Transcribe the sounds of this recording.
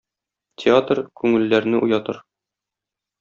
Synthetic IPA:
t̪ʲʰɪat̪rkʉŋɘ̆lːæɾnɘʔujɑt̪ɤ̰ɾ

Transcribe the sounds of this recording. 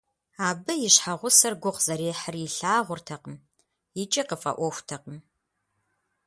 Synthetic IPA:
aːbɨjɪɕħaʁʷʊsɐrɡʷʊqz̥ɐɾeːħəriːɬaːʁʷʊrtʰɐqəm | jɪt͡ʃʼɪqəfʼɐ̰ʔʷɔxʷtʰɐqəm

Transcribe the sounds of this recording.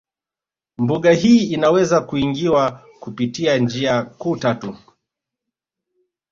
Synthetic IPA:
mbuɠaɦiːinawɛzakuiŋɡiwa | kupitiand͡ʒiakuːtatu

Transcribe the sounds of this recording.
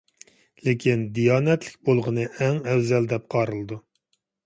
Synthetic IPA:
lekʲʰind̪ijɑːnɛt̪lɪkʲbolˠʁənɨʔɛŋɛwzɛld̪ɛp̚qʰɑɾɨlˠɨd̪u

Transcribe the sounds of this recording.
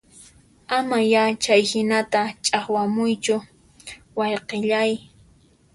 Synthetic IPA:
amajat͡ʃajhɪnat̪at͡ʃʼaχwamʊjt͡ʃʊ | wɑjqeʎaj

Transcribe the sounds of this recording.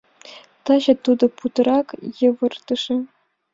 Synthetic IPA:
t̪ɑʑɤ̆t̪ud̪ɤ̆put̪ɤrɑkjɤ̆ʋɤ̆rt̪ɤ̆ʂɘ̆

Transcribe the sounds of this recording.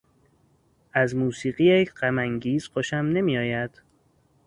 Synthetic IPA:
ʔæzmuːsiːɢiːjeɢæmæŋɟiːz̥qoʃæmne̞mijɒːjæd̪̥

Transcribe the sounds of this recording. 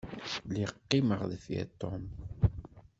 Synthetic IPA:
liqːɪməʁðfiæ̰t̪ːɔm

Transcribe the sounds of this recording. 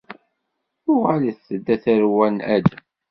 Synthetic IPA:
jʊʁæliθθəd̪ːæθæɾwænæd͡ʒ

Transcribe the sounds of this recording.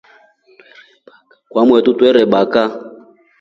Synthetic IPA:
kwamwɛtutwɛɾɛɓaka

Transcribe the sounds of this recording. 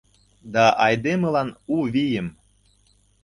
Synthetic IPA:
d̪ɑʔɑjd̪emə̆lɑnuβijəm

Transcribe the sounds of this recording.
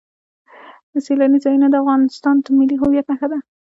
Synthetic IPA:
d̪əselanizɑjunad̪əafɣɑnɪst̪ɑnt̪əmɪliɦʊwijat̪̚naxad̪a

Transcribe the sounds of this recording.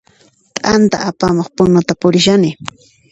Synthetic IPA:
t̪ʼant̪a̰ʔapamoχpʊnʊt̪apʊɾɪʃanɪ

